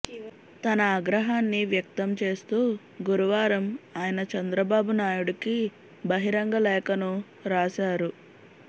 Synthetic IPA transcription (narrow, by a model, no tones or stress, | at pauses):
t̪ɐnɐːɡɾɐɦaːnːiʋjɐk̚t̪ɐmt͡ʃe̞ːst̪uː | ɡuɾuʋaːɾɐmaːjɐnɐt͡ʃɐnd̪ɾɐbaːbunaːjuɽiki | bɐɦiɾɐŋɡɐlɛːkɐnu | ɾaːʃaːɾu